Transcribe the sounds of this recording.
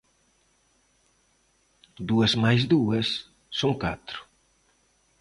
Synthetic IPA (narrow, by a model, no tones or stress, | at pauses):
d̪uɐsmajzd̪uɐsː | oŋkat̪ɾu̥